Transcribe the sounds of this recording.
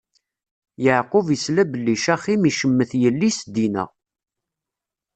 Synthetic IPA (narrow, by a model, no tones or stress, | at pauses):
jəʕqʊvjəslæbəlːiʃæχimiʃəmːəθjəlːisd̪inə̰ʁ